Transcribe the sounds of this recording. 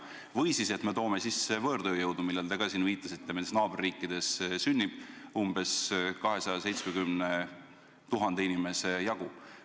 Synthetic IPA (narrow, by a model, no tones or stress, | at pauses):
vɤjsise̞t̪me̞t̪o̞ːmesisːevɤːɾd̪øːjɤwd̪umilːeld̪ɑɡ̥ɑsinviːt̪ːˑɑsit̪̚ːt̪emenesnɑːb̥erːiːkːˑid̪̥e̞ssynʲːib̥̚umbe̞skɑɦe̞sɑjɑse̞jt̪smeɡymne | t̪uɦɑnd̪einime̞se̞jɑɡ̥u